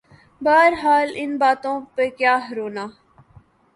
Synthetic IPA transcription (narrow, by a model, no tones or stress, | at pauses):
baːɾɦaːlɪnbaːt̪õːpekjaːɦɐɾoːnaː